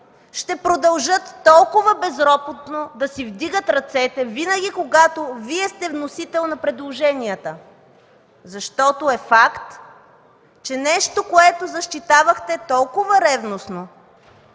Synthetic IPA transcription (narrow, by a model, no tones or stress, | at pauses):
ʃt̪ɛpɾod̪ɐlˠʒət̪ːɔlˠkʊvəbɛzɾɔpot̪nod̪ɐsivd̪iɡət̪ɾɐt̪sɛt̪ɛvinəɡʲikoɡat̪oviɛst̪ɛvnosit̪ɛlˠnɐpɾɛd̪lˠoʒɛniət̪ə | zɐʃt̪ɔt̪oɛfakt̪ | t͡ʃɛnɛʃt̪okoɛt̪ozɐʃt̪it̪avɐxt̪ɛt̪ɔlˠkʊvɐɾɛvnosno